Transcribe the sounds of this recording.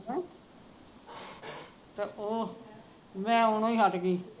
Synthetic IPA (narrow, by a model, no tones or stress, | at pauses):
ɛ̃ː | t̪eʔoː | mɛ̃ːonõːĩːɦəʈɡiː